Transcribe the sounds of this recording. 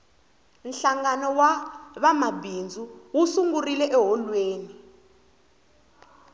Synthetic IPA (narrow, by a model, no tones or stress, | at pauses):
nɬaŋanɔwaβamabind͡zʱuwusuŋɡurilɛʔɛɦɔlweːni